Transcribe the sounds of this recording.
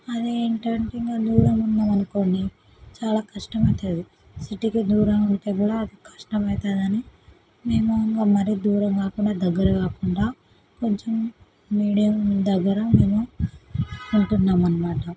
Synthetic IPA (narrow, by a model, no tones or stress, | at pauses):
ɐd̪iiɳʈaːɳʈiŋɡaːd̪uːɾɐmunːaːmɐnuko̞ːɳɖi | t͡ʃaːlaːkɐʂʈɐmɐjt̪aːd̪i | siʈikid̪uːɾɐmuɳʈe̞ːɡuːɽaːd̪ikʰɐ̥ʂʈɐmɐjt̪aːd̪ɐni | me̞ːmuɐŋɡaːmɐɾid̪uːɾɐmkaːkuɳɖaːd̪ɐɡːɐɾɐkaːkuɳɖaː | ko̞ɲt͡ʃemː | iːɽijɐmd̪ɐɡːɐɾɐme̞ːmu | uɳʈunːaːmɐnɐmaːʈɐ